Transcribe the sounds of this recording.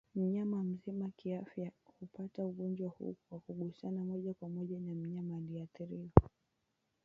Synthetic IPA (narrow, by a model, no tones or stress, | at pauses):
m̩ɲamam̩zimakiafjahupatauɡɔnd͡ʒwahṵwakuɠusanamɔʄakwamɔʄanam̩ɲamaliaθiɾiɔ